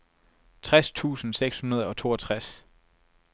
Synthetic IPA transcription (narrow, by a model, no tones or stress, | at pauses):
t͡sʰʁast͡sʰṵːsn̩seɡ̥shunɐð̞ˠɒ̽t͡sʰo̝̰ːɐt͡sʰʁas